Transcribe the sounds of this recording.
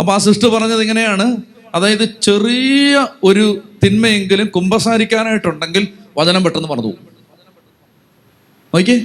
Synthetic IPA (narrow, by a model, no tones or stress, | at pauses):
ɐpːoaːsiʂʈɨpɐrɐɲːɐðiŋːɐne̞jaːɳɨ | ɐðaːjɐðɨt͡ɕe̞rijɐo̞ɾut̪inmɐje̞ŋɡilumkumbɐsaːɾikʲːaːnaːjiʈːuɳɖe̞ŋɡilʋɐðɐnɐmpeʈːenːɨpɐrɐɲːṵ | o̞ːk̬ʲːeː